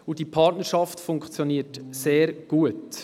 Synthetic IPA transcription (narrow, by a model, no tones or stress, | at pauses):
udipʰɑtnəɾʃɑftfʊŋkt͡sjoniːətseːɾɡ̥uət